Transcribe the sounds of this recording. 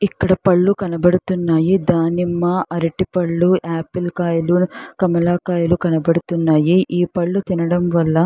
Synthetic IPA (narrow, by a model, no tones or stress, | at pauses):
ikːɐɽɐpɐɭːukɐnɐbɐɽut̪unːaːjid̪aːnimːɐʔɐɾɐʈipɐɭːuʔaːpilkaːjɐlukɐmɐlaːkaːjɐlukɐnɐbɐɽut̪unːaːjiʔiːpɐɭːut̪inɐɽɐmʋɐlːɐ